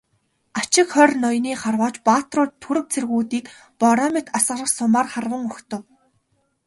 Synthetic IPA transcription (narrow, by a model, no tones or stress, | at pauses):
at͡ɕɪ̆kχœrʲnɔjniːχarwaːt͡ɕpaːt̪rʊːt̪ʰːuɾɘ̆k̚t͡sʰerɣuːt̪iːk | pɔɾɔmet̪asɢə̆rə̆χsʊmaːrχarwə̆ŋɵxt̪ə̆w